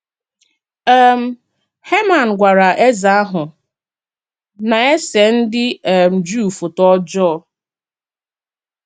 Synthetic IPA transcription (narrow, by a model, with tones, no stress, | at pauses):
ɛ˨m̩˦ | he˦ma˨n̩˨ɡʷa˨ɾa˨ʔe˦za˨a˦ɦʊ˨ | na˨e˦se˨n̩˦dɪ˦˨m̩˨d͡ʒu˦˨fu˨tɔ˦d͡ʒɔː˦˨